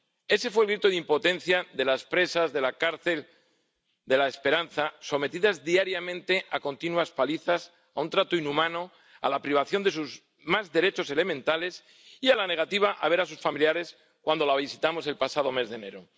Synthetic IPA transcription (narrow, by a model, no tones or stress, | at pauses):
e̞se̞fwelɣɾit̪oðimpo̞t̪ẽ̞n̟θjaðe̞laspɾe̞sazðe̞lakaɾθe̞l | d̪e̞laespe̞ɾanθaso̞me̞t̪iðazðiaɾjamẽnt̪e̞ʔako̞nt̪inwaspaliθas | aunt̪ɾat̪oinumãno̞ | a̰lapɾiβ̞aθjo̞nd̪e̞suz | mazðe̞ɾe̞t͡ʃo̞se̞le̞mẽnt̪ale̞s | ialane̞ɣ̞at̪iβ̞aʔaβe̞ɾasusfamiljaɾe̞s | kwand̪o̞laβisit̪amo̞se̞lpasaðo̞me̞zðe̞ne̞ɾo